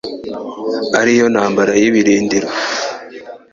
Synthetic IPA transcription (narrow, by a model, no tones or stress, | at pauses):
aɾijo̞nhaːmbaɾajiβiɾiːndiɾo